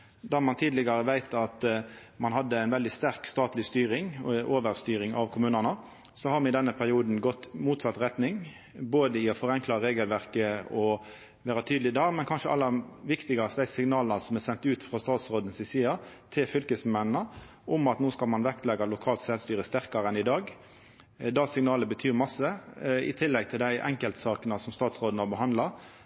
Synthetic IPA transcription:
d̪ɑːmɑnt̪ʰiːd̪lɪɡɑɾəʋæɪt̪ʰɑt̪ | mɑnɦɑd̪ːəæɪnʋɛld̪ɪst̪æɾkst̪ɑːt̪lɪst̪yːɾɪŋʔoːʋəɾst̪yːɾɪŋɑʋkʰʊmʉːnɑnə | sɔhɑɾmɛɪd̪ɛnːəpʰæʁɪuːd̪n̩ɡɔt̪ːmuːt̪sɑt̪ʁɛt̪nɪŋ | boːd̪əɪɔfɔɾɛŋklɑɾeːɡəlʋæʁkəɔ | ʋæːɾɑt̪ʰyːd̪lɪd̪ɑːɡmɛnkʰɑnʂəɑ̰lːɑʋɪkt̪ɪɡɑst̪d̪æɪsɪŋnɑːlnɑsɔmɛsɛnt̪ʉːt̪fʁɑst̪ɑːt̪sʁoːd̪n̩sɪsiːɑt̪ʰɪlfʏlkəsmɛnnə | ʔʊmɑt̪nuːskɑlmɑnʋɛkt̪lɛɡːɑlʊkʰɑːlt̪sɛlst̪yːɾəst̪æʁkɑɾəɛnɪd̪ɑːɡ | d̪ɑsɪŋnɑːləbət̪ʰyːʁmɑsːəɪ̰t̪ʰɪlːɛɡ̚t̪ʰɪld̪æɪʔɛ̰ŋkəlt̪sɑːkənɑsɔmst̪ɑːt̪sʁoːd̪n̩hɑʁbəɦɑnd̪lɑ

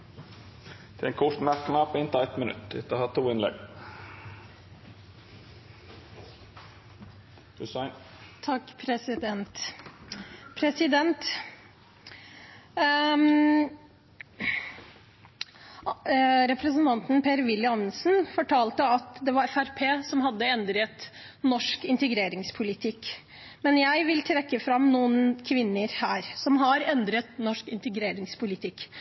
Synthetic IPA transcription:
d̪̥ʰɛɛkʰɔʂmæɾkənɑpʰɔɪnt̪əæɪt̪mənʉ̰t̪ːɪ̰t̪ːəhɑt̪ʰːuːɪnlɛ̰ɡ | ʉsaɪn | t̪ʰɑkːpʰɾɛsɪd̪ɛnt̪ | pʰɾɛsɪd̪ɛnt̪ | ɾɛpɾəsənt̪ʰɑnt̪n̩peːɾʋɪlːjəɑnnsnfɔʈʰɑːlt̪əɑt̪d̪ɛʋɑɾɛfæɾpʰeːsɔmɦɑd̪ːəɛnd̪ɾət̪ | nɔʂkɪnt̪əɡɾeːɾɪŋspʰʊlɪt̪ʰɪkː | mɛnjæɪʋɪlt̪ʰɾɛkːəfɾɑmnuːənkʰʋɪnːəɾhæːɾsɔmɦɑɾɛnd̪ɾət̪nɔʂkɪnt̪əɡɾeːɾɪŋspʊlɪt̪ʰɪkː

